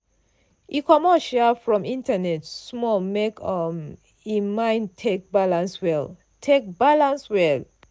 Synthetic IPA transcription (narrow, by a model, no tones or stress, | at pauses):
ʔikɔmɔʃɛfɹɔ̃mĩntanɛtsmɔlmekɔm | imãɪ̃ntʰek̚balãnswɛl | tʰek̚balãnswɛl